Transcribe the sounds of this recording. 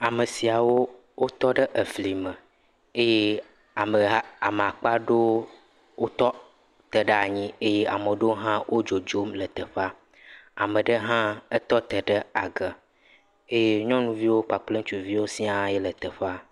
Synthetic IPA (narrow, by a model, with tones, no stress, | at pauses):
a˨mə˨si˨a˨wo˦ | wo˦t̪ɔ˦ɖə˦ʔə˨fli˨mə˨ | e˦je˦ | a˨mə˨˦a̰˨me˨a˨k͡pa˦ɖo˦ | wo˦t̪ɔ˦ | t̪ə˨ɖə˦a˨ɲĩ˦e˦je˦ʔa˨mə˨ɖo˦ɦã˦wʔo˦d͡ʒo˨d͡ʒo˦mlə˨t̪ə˨ɸa˦ | a̰˨mə̃˨ɖə˦ɦã˦ə˦t̪ɔ˦t̪ə˨ɖə˦a˨ɡə˨ | e˦je˦ɲɔ̃˦nũ˦vi˦wo˦k͡pa˨k͡ple˦ŋ̩˦t͡ʃu˨vi˦wo˦si˦a˦jɛ˦lə˨t̪ə˨ɸa˦